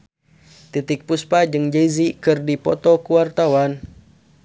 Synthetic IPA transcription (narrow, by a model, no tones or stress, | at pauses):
t̪it̪ik̚puspad͡ʒɨŋd͡ʒezikɨrdipɔ̰t̪ɔkuwart̪awan